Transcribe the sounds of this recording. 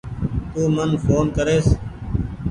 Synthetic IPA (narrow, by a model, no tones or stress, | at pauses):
t̪uːmənfʰoːnkəɾeːs